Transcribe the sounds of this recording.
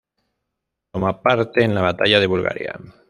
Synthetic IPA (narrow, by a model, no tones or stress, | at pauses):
t̪omapaɾt̪eːnlaβat̪aʎaðe̞βulɣa̰ɾja̰